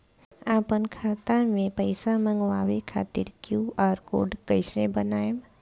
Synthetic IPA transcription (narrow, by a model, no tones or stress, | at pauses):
aːpənkʰaːt̪ãmẽpəɪsamə̃ŋɡʋaːʋekʰa̰ːt̪ḭɾkjuːaːɾko̰ːɖkəɪsẽbənaːjm